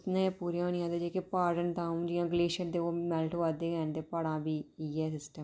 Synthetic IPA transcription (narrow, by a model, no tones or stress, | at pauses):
t̪nãːɛpuːɾjãːʊnɪjãːd̪ed͡ʒeːkepaːɖənt̪ãːũd͡ʒijãːɡəleːʃənd̪eːoːmɛːlʈʰoʋaːd̪eːɡɛːnd̪eːpəɽãːbiːiːɦɛːsɪsʈə